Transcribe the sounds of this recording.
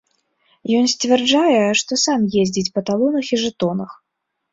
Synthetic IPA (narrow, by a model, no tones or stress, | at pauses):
jɔnsʲt͡sʲvʲɛrd͡ʐajɛʂt̪ɔsamjezʲd͡zʲit͡sʲpɐt̪alˠɔnɐxiʐɨt̪ɔnɐx